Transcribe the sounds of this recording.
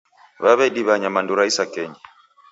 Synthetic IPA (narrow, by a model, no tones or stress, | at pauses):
βaβɛdiβaɲamanduɾaisakɛɲa